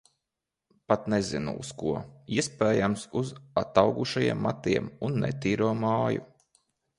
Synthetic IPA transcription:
pat̪nɛzinṵṵskuiɛspɛːjamsuzat̪awɡuʃajḭɛmːa̰t̪iɛmunːɛ̰t̪iːɾuɔmaːjṵ

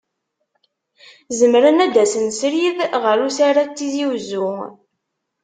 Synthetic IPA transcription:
zəmɾənæd̪æsənsɾiðʁəɾusaɾat͡s̪ːiziwzːu

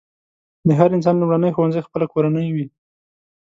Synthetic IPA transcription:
d̪əɦaɾɪns̬ɑnlumɽanəjxowanzəjxpəlakoɾanəjwi

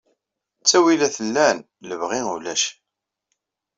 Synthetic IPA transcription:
t͡sːæwilæθəlːæn | ləvʁiŋulæʃ

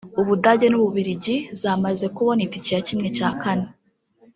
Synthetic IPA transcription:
uβudaɟe̞nuβuβiɾiɟizaːmaze̞kuβo̞niticiɾacimŋe̞caːkane

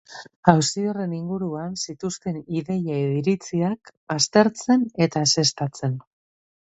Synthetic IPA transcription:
awsiore̞niŋɡuɾuansit̪ust̪e̞niðe̞jaeðiɾit͡siakast̪e̞ɾt͡se̞ne̞t̪aese̞st̪at͡se̞n

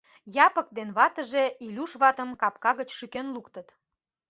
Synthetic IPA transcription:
jɑpək̚d̪enβɑt̪əʒeilʲuʃβɑt̪ə̆mkɑp̚kɑɣət͡ɕʃykenlukt̪ət̪

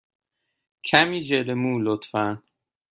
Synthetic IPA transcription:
kʰæmiːd͡ʒelemuːlot̪fæn

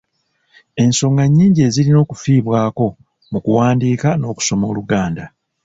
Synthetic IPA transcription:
e̞nso̞ːŋɡaɲːiːɲɟie̞ziɾino̞ːkufiːβwaːko̞ | mukuwaːndiːkano̞ːku̥so̞mo̞ːluɡaːnda

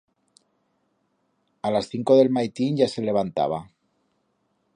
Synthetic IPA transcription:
alasθiŋkoðe̞lmajt̪inʝase̞le̞β̞ant̪a̰β̞a

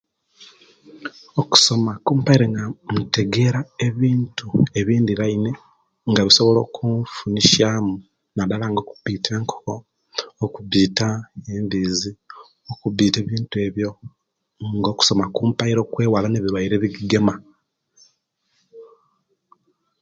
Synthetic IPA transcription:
oku̥so̞makuːmpaiɾeŋɡamute̞ɡe̞ɾaeβiːntʰue̞βiːndiɾaine̞ | ŋɡaβiso̞βo̞lo̞̰ːkʰuɱfuniʃaːmu | nadalaŋɡo̞ːku̥βiːtʰe̞ːŋkʰo̥ko̞ː | kuβiːtaembiːzi | okubiːte̞ːβiːntue̞βjo̞ | ŋɡo̞ːku̥so̞makuːmpajiɾo̞kwe̞ːwalaneβiɾwajiɾe̞βiɡiɡe̞ma

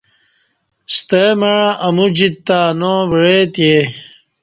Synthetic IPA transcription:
st̪emeɻãʔɐmud͡ʑit̪ːaːnõːʋiɻet̪je

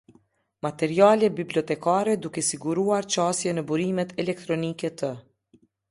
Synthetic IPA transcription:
mat̪ɛɾialɛbiblɔt̪ɛkaɾɛd̪ukɛsiɡuɾuaɾt͡ʃast̪jɛnəbuɾimɛt̪ɛlɛk̚t̪ɾɔnikɛt̪ə

